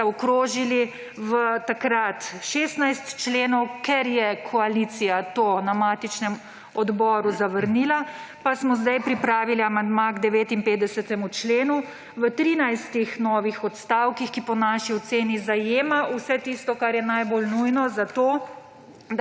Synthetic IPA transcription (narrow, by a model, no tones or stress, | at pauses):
ɔkɾoːʒili | ʋət̪akɾat̪ʃeːst̪najst̪t͡ʃleːnɔwkɛɾjɛkʰɔalit̪sijat̪oːnamaːt̪it͡ʃnɛm | ɔd̪bɔːɾuzaʋəɾniːlapasmɔzd̪ajpɾipɾaːʋiliamand̪maɡd̪ɛʋeːt̪impeːd̪ɛsɛt̪ɛmut͡ʃleːnu | ʋət̪ɾiːnajst̪ixnɔːʋixɔt̪st̪awkixkipɔnaːʃiɔt̪seːnizajeːmausɛt̪ist̪ɔkaɾjɛnajbolnujnɔzat̪oː | d̪